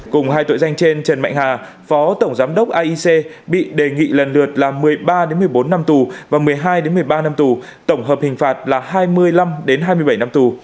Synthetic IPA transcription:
kʊ˨˩ŋ͡mhaː˧jt̪o̰˧˨za˧jŋ̟t͡ɕe˧nt͡ɕə˨˩nma̰˧˨jŋhaː˨˩ | fɔ˨˦t̪ə˧˩wŋ͡mzaː˨˦mɗə˦˥wk͡p̚ʔaː˧ʔi˧se˧ɓḭ˧˨ɗe˨˩ŋḭ˧˨lə˨˩nlɨ˨˩ət̚laː˨˩mɨ˨˩əjɓaː˧ɗe˨˦nmɨ˨˩əjɓo˨˦nːa˧mt̪u˨˩vaː˨˩mɨ˨˩əjɦaː˧jɗe˨˦nmɨ˨˩əjɓaː˧na˧mt̪u˨˩ | t̪ə˧˩wŋ͡mɦəː˨˩p̚hï˨˩ŋ̟faː˨˩t̚laː˨˩haː˧jmɨ˧əjla˧mɗe˨˦nɦaː˧jmɨ˧əjɓə˧˩jna˧mt̪u˨˩

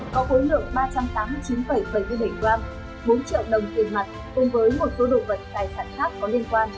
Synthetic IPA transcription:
kɔ˨˦ʔo˨˦jlɨ̰˧˨əŋɓaː˧t͡ɕa˧mt̪aː˨˦mːɨ˧jt͡ɕi˨˦nɓə˧˩jɓə˧˩jm˧jɓə˧˩jŋkwaː˧m | ɓo˨˦nt͡ɕḭ˧˨ə˨wɗə˨˩wŋ͡mt̪i˨˩ənma˨˩t̚ku˨˧˩ŋ͡mvəː˨˦jmo˨˩t̚so˨˦ɗo̰˧˨və˨˩t̚t̪aː˨˩jsaː˧˩nxaː˦˥k̚kɔ˨˦li˧ənkwaː˧n

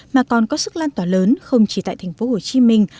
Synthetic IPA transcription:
maː˨˩kɔ˨˩nkɔ˨˦sɨ˦˥k̚laː˧nt̪waː˧˩ləː˨˦nxə˧wŋ͡mt͡ɕi˧˩t̪a̰˧˨jt̪ʰɛ˨˩ŋ̟fo˨˦ho˧˩t͡ɕi˨˦mï˧˩ŋ̟

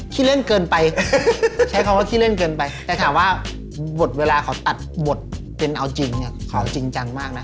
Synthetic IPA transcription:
kʰiː˦˥˩le˥˨nkɤː˧npa˧j | t͡ɕʰa˦˥kʰa˧˦waː˥˩kʰiː˦˥˩le˥˩˨nkɤː˧npa˧jt̪ɛː˨˩k̪ʰaː˨˩˦mwaː˥˩ | bo˨˩t̪̚weː˧laː˧kʰa˨˩˦wt̪a˨˩t̪̚bo˨˩t̪̚ | pe˧nʔa˧wt͡ɕi˧ŋni˧˩ɐkʰa˨˩˦wt͡ɕi˧ŋt͡ɕa˧ŋmaː˥˩k̚na˦˥

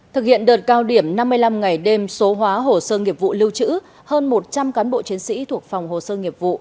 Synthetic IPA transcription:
t̪ʰɨ˨˩k̚hḭ˧˨ənɗəː˨˩t̚kaː˧wɗi˧˩əmna˧mːɨ˧əjla˧mŋa˨˩jɗe˧mso˨˦ɦwaː˨˦ɦo˨˩səː˧ŋi˨˩əp̚vṵ˧˨lɨ˧wt͡ɕɨ̰˧˥ | həː˧nmo˨˩t̚t͡ɕa˧mkaː˨˦nɓo̰˧˨t͡ɕi˨˦ənsḭ˧˥t̪ʰu˨˩ək̚fa˨˩wŋ͡mɦo˨˩səː˧ŋi˨˩əp̚vṵ˧˨

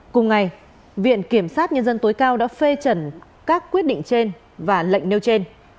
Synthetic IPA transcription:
kʊ˨˩ŋ͡mŋa˨˩j | vḭ˧˨ənki˧˩əmsaː˦˥t̚ɲə˧nzə˧nt̪o˨˦jkaː˧wɗa̰ː˧˥fe˧t͡ɕə˧˩n | kaː˦˥kːwi˦˥ət̚ɗḭ˧˨ŋ̟t͡ɕe˧n | vaː˨˩lə̰˧˨jŋ̟ne˧wt͡ɕe˧n

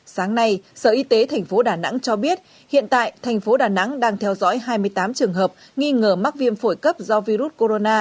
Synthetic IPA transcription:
saː˨˦ŋna˧jsəː˧˩ʔi˨˧˦t̪e˨˦t̪ʰɛ˨˩jŋ̟fo˨˦ɗaː˨˩na̰˧˥ŋt͡ɕɔ˧ɓi˦˥ət̚ | hḭ˧˨ənt̪a̰ː˧˨jt̪ʰɛ˨˩jŋ̟fo˨˦ɗaː˨˩na̰˧˥ŋɗaː˧ŋt̪ʰɛ˧wzɔ̰˧˥jɦaː˧jmɨ˧əjt̪aː˨˦mt͡ɕɨ˨˩əŋɦəː˨˩p̚ | ŋi˧ŋəː˧˩ma˦˥t̚vi˧ənfo˧˩jkə˦˥p̚zɔ˧vi˧ɾu˦˥t̚ko˧ɾo˧naː˧

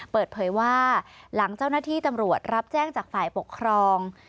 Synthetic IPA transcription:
pɤː˨˩t̪̚pʰɤː˩˦jwaː˥˩la˩˦ŋt͡ɕaː˥˩wnaː˥t̪ʰiː˥˩t̪a˧mɾu˨˩ət̪̚ɾa˦˥p̚t͡ɕɛː˥˩ŋt͡ɕaː˨˩k̚faː˨˩jpo˨˩kʰːɾɔː˧ŋ

